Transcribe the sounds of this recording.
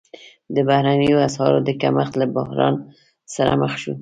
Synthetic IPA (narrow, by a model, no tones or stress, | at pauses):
d̪əbahɾanəjoashɑɾod̪əkamaxt̪labʊhɾɑ̰n | saɾa̰məxʃu